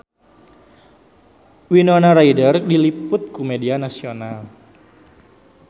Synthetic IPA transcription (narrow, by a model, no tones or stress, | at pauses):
winonaɾaidərdilipʊt̪̚kumedianasional